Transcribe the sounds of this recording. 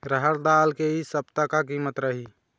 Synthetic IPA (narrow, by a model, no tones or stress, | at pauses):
ɾəɦəɾd̪aːlkeisəbt̪əkak̬iːmət̪ɾəɦi